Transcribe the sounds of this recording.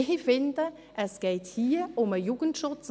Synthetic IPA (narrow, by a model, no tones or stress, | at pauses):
fɪndə | ʔɛsɡ̥eɪthiːʔʊməjuːɡ̥n̩tʃʊt͡s